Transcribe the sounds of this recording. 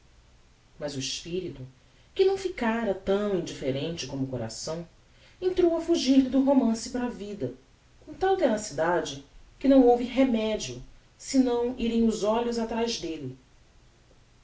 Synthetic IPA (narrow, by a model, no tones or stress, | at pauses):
mɐzʊiʃpiɾit̪ʊ | kɪnɐ̃w̃fikaɾɐt̪ɐ̃w̃ĩnd͡ʒifeɾẽnt͡ʃɪkõmʊkoɾa̰sɐ̃w̃ | ẽnt̪ɾowɐfuʒiɾlɪd̪ʊɦomɐ̃sɪpaɾːvid̪ɐ | kõt̪awt̪enasid̪ad͡ʒɪkɪnɐ̃w̃owvɪɦemɛd͡ʒiʊ | sɪnɐ̃w̃iɾẽj̃ʊzɔʎʊzat̪ɾajzd̪elɪ